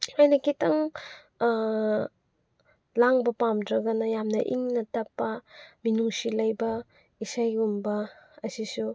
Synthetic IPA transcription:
ajnɐkitɐŋ | laŋbɐpamdɾɐɡɐnɐjamnɐ̰ʔiŋnɐtɐpːɐminuŋsilɐjbɐ | isajumbɐːsisu

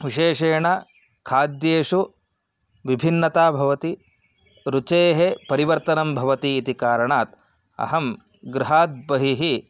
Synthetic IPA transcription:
ʋiʃeːʂeːɳɐ | kʰaːd̪jeːʂu | ʋibʱinːɐt̪aːbʱɐʋɐt̪i | ɾut͡ʃeːɦepɐɾiʋɐɾt̪ɐnɐmbʱɐʋɐt̪iːt̪ikaːɾɐɳaːt̪ | ɐ̰ɦɐm | ɡɾuɦaːt̪̚bɐɦiɦi

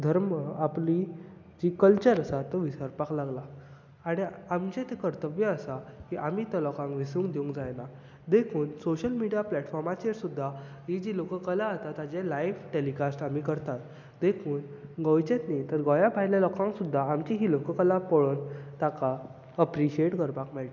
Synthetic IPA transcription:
d̪ʱəɾmapli | d͡ʑikəlt͡ɕəɾəsat̪ːəʋisəɾpaklaɡla | aɽ̃iamt͡ɕẽt̪ekəɾt̪əbjəəsakiʔamiːt̪ɔlɔkãŋkʋisũŋkd̪eũŋkd͡zajna | d̪ekʰuːnsoɕəlmiɽijaplɛʈfɔɾmat͡ɕeɾsud̪ʱːa | ɦid͡ʑilokəkəlaət̪at̪ad͡ʑelajfʈelikasʈamikəɾt̪at̪ | d̪ekʰuːnɡəwt͡ɕet̪nit̪əɾɡɔjabʱajljalɔkãŋksud̪ʱːaamt͡ɕiɦiːlokəkəlapɔɭont̪aka | əpɾiɕieʈkəɾpakmɛɭʈ̪

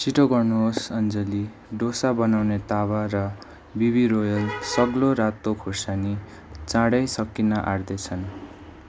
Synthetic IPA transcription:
siʈoɡʌrnuɦosʌnd͡zʌli | ɖosabʌnawnet̪abarʌ | biβirojʌlsʌɡloɾat̪okʰorsani | t͡sãɽʌjsʌkːinʌʔard̪ʌt͡sʰʌn

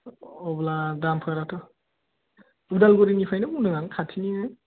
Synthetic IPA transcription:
ɔbladampʰaɾatʰɔ | udalɡɔɾinipʰajnɯmudɯŋankʰatʰini

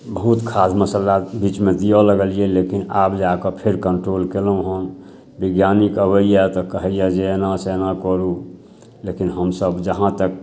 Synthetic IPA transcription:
bəɦut̪kʰasməsəlabit͡ʃmẽd̪ijɔləɡəlijelekinapd͡ʒakəpʰeɾkəɳʈɾolkelũɦən | biɡjanikəbəijat̪ɔkəɦəjad͡ʒenasenakɔɾu | lekinɦəmsəbd͡ʒəɦãt̪ək̚

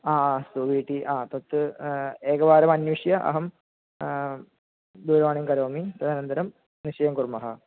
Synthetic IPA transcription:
aːsuʋiːʈːiʔaːt̪ot̪ːɨeːɡɐʋaːɾɐmɐnjuʂjɐʔɐ̰ɦɐm | d̪uːɾʋaːɳimkɐɾoːmit̪ɐd̪aːnɐnd̪ɐɾɐm | niʂɐjɐmkurmɐɦɐ

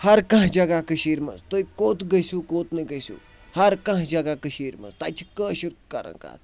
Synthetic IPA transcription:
hɐɾkɐ̃ɦd͡ʒɐɡakəʃiːɾmɐ̰nzt̪oikoːt̪ɡɐsʲuːkoːt̪nɐɡəsṵː | hɐɾkɐ̃ɦd͡ʒɐɡakəʃiːɾmɐ̰nzt̪ɐt͡ʃʰi̥kəːʃiɾkɐ̰ɾə̰̃ŋka̰ːt̪ʰ

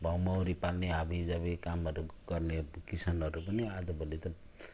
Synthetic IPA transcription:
bʱawmawɾipalneabid͡zʌbekamʌɾuɡʌrnekisʌnʌɾupʌniad͡zʌbʱʌlet̪ʌ

